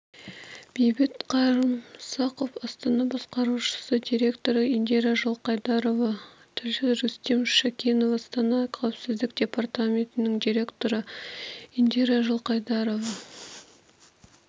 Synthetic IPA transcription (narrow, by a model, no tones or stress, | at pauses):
b̥ejbɪt̪qʰɑɾəmsɑqofɑst̪ɑnɑbɑsqɑɾuʃə̥səd̪ʲiɾʲe̞kt̪o̞ɾəind̪eɾaʒəlˠqɑjd̪ɑɾo̞vɑ | t̪ʰɪɾʒɪzɾust̪emʃakʲenovɑst̪ɑnɑqʰawpsɪzd̪ɪk̚d̪̥ʲe̞part̪amʲe̞nt̪ɪnɪŋd̪ʲiɾʲe̞kt̪o̞ɾə | ind̪eɾaʒəlˠqɑjd̪ɑɾo̞vɑ